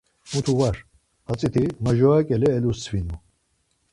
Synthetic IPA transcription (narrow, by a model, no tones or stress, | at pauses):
mut̪ʰuvaɾ | at͡sʼit̪ʰimaʒɔakʼɛlɛːlust͡sʰvinu